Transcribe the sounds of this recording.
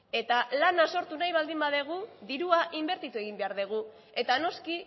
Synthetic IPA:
e̞t̪alanaso̞ɾt̪unajβald̪imbaðeɣ̞uðiɾuaʔimbe̞ɾt̪it̪ue̞ɣ̞imbe̞aɾðeɣ̞u | e̞t̪ano̞ski

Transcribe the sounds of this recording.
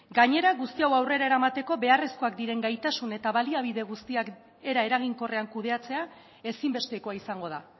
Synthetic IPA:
ɡaɲe̞ɾaɣust̪iawawre̞ɾae̞ɾamat̪e̞ko̞βe̞are̞sko̞ak̚d̪iɾe̞ŋɡajt̪asune̞t̪aβaliaβ̞iðe̞ɣ̞ust̪iak | e̞ɾae̞ɾaɣ̞iŋko̞re̞aŋkuðe̞at͡se̞a | e̞simbe̞st̪e̞ko̞aisaŋɡo̞ða̰

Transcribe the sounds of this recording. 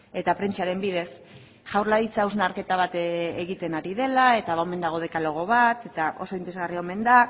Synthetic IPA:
e̞t̪apɾe̞nt͡ʃaɾe̞mbiðe̞s | ʝawɾlaðit͡sauznaɾke̞t̪aβ̞at̪eɣit̪e̞naɾiðe̞lae̞t̪aβaome̞nd̪aɣ̞o̞ð̞e̞kalo̞ɣ̞o̞βat̪e̞t̪ao̞̰so̞int̪eezɣariome̞nd̪a

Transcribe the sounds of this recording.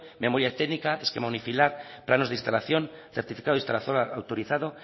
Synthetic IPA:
me̞moɾjat̪enikaeskemonifilaɾplanozðist̪alaθjo̞nθeɾt̪ifikaðoist̪alaθjoawt̪oɾiθaðo

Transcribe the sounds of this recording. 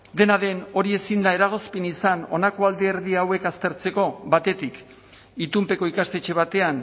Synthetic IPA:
d̪e̞naðe̞no̞ɾie̞sind̪ae̞ɾaɣ̞o̞spinisano̞̰nako̞ald̪eːɾðiawe̞kast̪e̞ɾt͡se̞ko̞βat̪e̞t̪ik | it̪umpe̞ko̞ikast̪e̞t͡ʃe̞β̞at̪e̞an

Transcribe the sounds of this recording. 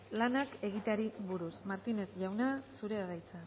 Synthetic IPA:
lanake̞ɣ̞it̪aɾiβuɾusmaɾt̪ine̞sʝawnasuɾe̞aðajt͡sa

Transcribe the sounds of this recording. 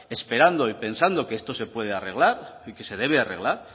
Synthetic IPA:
e̞spe̞ɾand̪oipe̞nsand̪o̞ke̞est̪o̞se̞pwe̞ð̞eare̞ɣ̞laɾike̞se̞ð̞e̞β̞eare̞ɣ̞laɾ

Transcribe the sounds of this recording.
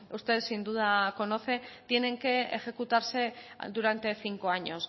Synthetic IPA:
ust̪e̞ðsind̪uðako̞no̞θe̞t̪je̞ne̞ŋkeexe̞kut̪aɾse̞d̪uɾant̪e̞θiŋkoaɲo̞s

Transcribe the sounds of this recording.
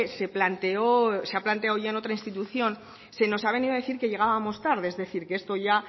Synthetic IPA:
se̞plant̪eoseaplant̪e̞awʝaeno̞t̪ɾainst̪it̪uθjo̞n | se̞no̞saβ̞e̞niðaðe̞θiɾke̞ʎe̞ɣ̞aβamo̞st̪aɾðeezðe̞θiɾkeest̪o̞ʝa

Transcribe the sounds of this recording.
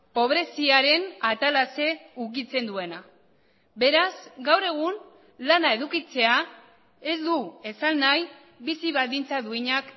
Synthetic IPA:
po̞β̞ɾe̞siaɾe̞nat̪alase̞uk̬it͡se̞nd̪ue̞na | be̞ɾasɡawre̞ɣ̞un | lanae̞ðukit͡se̞a | e̞zd̪ue̞salnaj | bisiβaðint͡saðuiɲak

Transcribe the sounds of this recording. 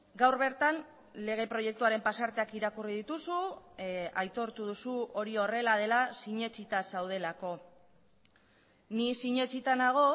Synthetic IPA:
ɡawɾβe̞ɾt̪an | le̞ɣ̞e̞pɾo̞je̞k̚t̪uaɾe̞mpasaɾt̪e̞akiɾakuriðit̪usu | ajt̪o̞ɾt̪uð̞usuo̞ɾio̞re̞lað̞e̞lasiɲe̞t͡ʃit̪asawð̞e̞lako̞ | nisiɲe̞t͡ʃit̪anaɣ̞o̞

